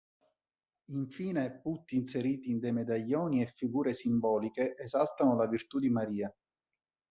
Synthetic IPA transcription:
iɱfiːneɛpːut̪ːiːnseɾiːt̪iːnd̪ejmed̪aʎːɔːniɛfːiɡuːɾesimbɔːlikeʔːzalt̪anolavirt̪ud̪imaɾiːa

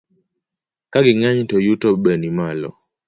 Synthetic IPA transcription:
kaɡɪŋaɲtɔjutɔbɛnimalɔ̰

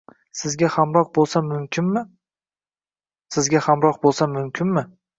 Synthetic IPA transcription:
sɪzɡʲahamɾɒq̚bolˠsamʊmkʲʰɪnmɪ | sɪzɡʲahamɾɒq̚bolˠsamʊmkʲʰɪnmɪ

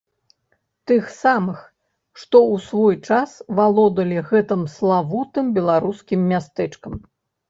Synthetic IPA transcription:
t̪ɨxsamɨx | ʂt̪ɔusvɔjt͡ʂasvalˠɔd̪ɐlʲiɣɛt̪ɨmslˠavut̪ɨmbʲɛlˠaɾuskʲimːʲast̪ɛt͡ʂkɐm

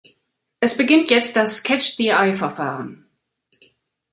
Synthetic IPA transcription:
ʔɛsb̥əɡɪntʰjɛt͡st̚d̥askʰɛt͡ʃd̥iaɪfɛɐfa̰ːʁən

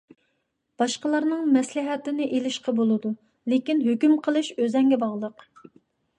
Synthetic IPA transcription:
b̥ɑʃqəlˠɑɾnɨŋmɛslɪɦɛt̪ɪnɪʔelɪʃqʰɑbolˠɨd̪u | lekʲinɦøkʲymqʰəlˠɨʃøzɛŋɡʲɛbɑʁlˠəq

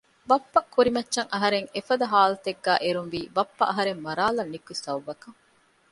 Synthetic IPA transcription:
bɐpːɐkʰːuɾimɐtːʃɐŋɐɦɐɾeŋefɐd̪ɐɦaːlɐt̪eɡːæːʔeɾunʋiːbɐpːɐʔɐɦɐɾemmɐɾaːlɐnːikusɐwʋɐkɐŋ

